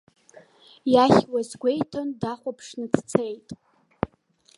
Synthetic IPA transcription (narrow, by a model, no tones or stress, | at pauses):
jaχʲwazɡʷe̞jtʰondaχʷapʰʂnɨt͡sʰt͡sʰejtʼ